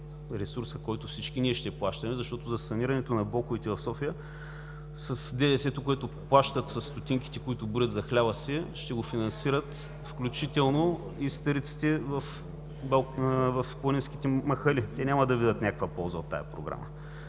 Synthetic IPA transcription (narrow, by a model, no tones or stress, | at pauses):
ɾɛsuɾsəkɔjt̪ʊfsit͡ʃk̟iniɛʃt̪ɛplˠaʃt̪ɐmɛzɐʃt̪ɔt̪ʊzɐsɐniɾɐnɛt̪onɐblˠɔkʊvit̪ɛvɐfsɔfijə | sɐsd̪ɛd̪ɛsɛt̪okoɛt̪oplˠaʃt̪ət̪sɐsːt̪ot̪ʲiŋk̟i̥t̪ɛkoit̪ʊbuɾʲət̪zɐxlʲabɐsɛʃt̪ɛɡofinɐ̃nsiɾət̪ | fklʲut͡ʃit̪ɛlˠno | ist̪əɾit̪si̥t̪ɛvɐf | blvɐfklˠɐninsk̟i̥t̪ɛmɐxəlit̪ɛnʲaməd̪ɐvid̪ət̪nʲakəkvɐpɔlˠzəot̪ːa̰jɐ̰pɾo̰ɡɾa̰mə̰